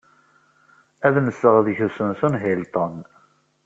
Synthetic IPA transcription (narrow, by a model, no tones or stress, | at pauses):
æðnəsːəʁðçəsʊnθunɦilt̪ˤən